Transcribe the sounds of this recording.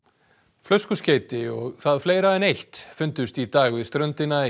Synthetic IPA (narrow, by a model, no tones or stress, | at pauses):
flœskʏsceːjt̪ɪɔɣθaðfleːjɾaɛnejht̪fʏnt̪ʏst̪it̪aːɣvɪðst̪ɾœnt̪ɪna